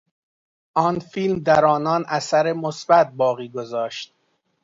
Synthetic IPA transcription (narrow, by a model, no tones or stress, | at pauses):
ʔɒːnfiːlmd̪æɾɒːnɒːnʔæsæɾemosbæt̪̚bɒːɣiːɡozɒːʃt̪̚